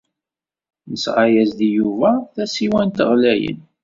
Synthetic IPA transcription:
nəsʁajæzd̪ijuvæθæsiwænt̪əʁlæjə̰n

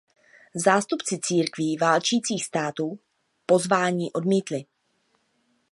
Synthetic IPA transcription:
zaːst̪upt͡sɪt͡siːɾkviːvaːlt͡ʃiːt͡siːxst̪aːt̪uː | po̞zvaːɲiːʔo̞dmiːt̪lɪ

